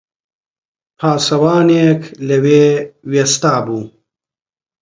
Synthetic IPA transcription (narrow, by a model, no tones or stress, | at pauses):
pʰaːsɐwaːneːkʰleweːwest̪aːbuː